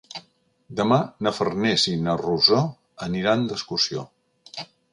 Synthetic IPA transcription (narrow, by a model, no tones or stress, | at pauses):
d̪əmanəfərnɛsinəruzo | əniɾand̪əskusio̰